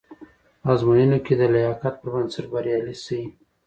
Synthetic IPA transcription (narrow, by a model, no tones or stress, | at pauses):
ɑzmujinoked̪əlajɑkat̪̚pəɾbansɪʈbaɾjɑlisii